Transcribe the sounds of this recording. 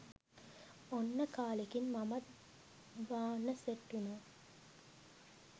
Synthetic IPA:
onːəkʰaːlekinmɐmɐt̪ | ʋaːnːɐseʈːunoː

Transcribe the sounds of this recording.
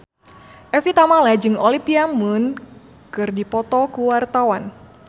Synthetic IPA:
ʔɛfit̪amalad͡ʒɨŋɔlipiamun | kɨrdipɔt̪ɔkuwart̪awan

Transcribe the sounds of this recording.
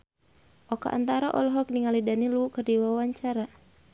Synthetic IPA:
ʔɔka̰ʔa̰nt̪aɾaʔɔlɔɦɔk̚niŋalidaniluukərdiwawaɲt͡ʃaɾa

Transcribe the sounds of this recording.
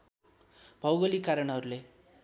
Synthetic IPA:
bʱʌwɡʌlikaɾʌnɦʌɾule

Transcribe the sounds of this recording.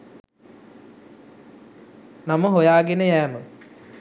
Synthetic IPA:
nɐmɐɦojaːɡenəjæːmə

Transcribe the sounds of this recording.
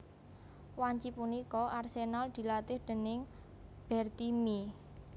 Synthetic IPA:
waɲt͡ʃipunikɔʔarsenald̪̥i̤lat̪ɪhd̪̥ə̤nɪŋ | b̥ɛrt̪imi

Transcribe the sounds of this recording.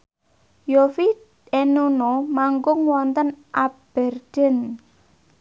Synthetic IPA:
jofi | enunomaŋɡʊŋwɔnt̪ənʔab̥ɛ̤rd̪̥ɛ̤n

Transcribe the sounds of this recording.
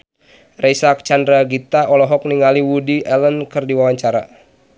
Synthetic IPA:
rɛsak̚t͡ʃandɾaɡit̪aɔlɔɦɔk̚niŋaliwudiʔɛlənkɨrdiwawaɲt͡ʃaɾa̰

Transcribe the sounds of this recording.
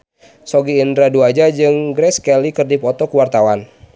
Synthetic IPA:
sɔɡiːndɾaduad͡ʒad͡ʒɨŋɡɾɛskɛlikərdipɔt̪ɔkuwart̪awan

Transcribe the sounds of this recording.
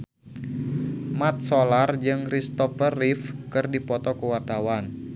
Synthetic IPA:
mat̪̚solard͡ʒɨŋkɾist̪ɔfərifkɨrdipɔt̪ɔkəwart̪awan

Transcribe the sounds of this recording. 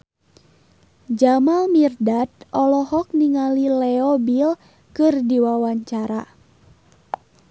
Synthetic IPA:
d͡ʒamalmirdat̪̚ɔlɔhɔk̚niŋalilɛɔbil | kɨrdiwawaɲt͡ʃaɾa

